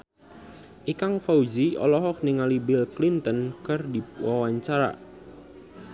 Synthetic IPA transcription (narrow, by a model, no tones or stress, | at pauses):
ʔikaŋfaud͡ʒiɔ̰lɔɦɔk̚niŋalibilklint̪ənkərdiwawaɲt͡ʃaɾa̰